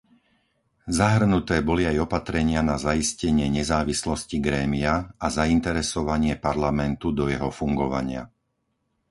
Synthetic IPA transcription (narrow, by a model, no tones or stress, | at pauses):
zaɦr̩nut̪ɛːbɔliajɔpat̪ɾɛɲɪanazaiscɛɲɪɛɲɛzaːʋislɔsciɡɾɛːmiaazaint̪ɛɾɛsɔʋaɲɪɛpaɾlamɛnt̪ud̪ɔjɛɦɔfuŋɡɔʋa̰ɲɪa̰